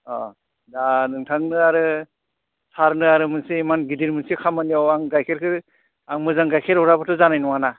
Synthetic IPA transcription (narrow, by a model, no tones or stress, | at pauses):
ɔ | danɯŋtʰaŋnɯaɾɯ | sʰaɾnɯaɾɯmɯnsiimanɡidiɾmɯnsikʰamɯnijawaŋɡajkʰeɾkʰɯ | aŋmɯzaŋɡajkʰeɾɦɔɾabɯtʰɯzanajnɔwana